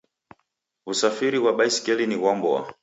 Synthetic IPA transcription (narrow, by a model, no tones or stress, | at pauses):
usafiɾiwaɓaisi̥kɛliniwɔmbɔa̰